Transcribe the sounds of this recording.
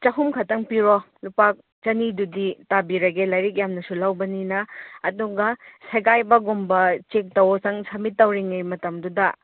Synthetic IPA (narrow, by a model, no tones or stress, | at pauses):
t͡ʃɐɦumkʰɐtɐŋpiɾo | lupak̚ | t͡ʃɐniduditabiɾɐɡelajɾik̬̚jamnɐsulɐwbɐninɐːduɡɐsɐɡajbɐɡumbɐt͡ʃek̚tɐwsɐŋsʰɐmitːɐwɾiŋɐjmɐtɐmdudɐ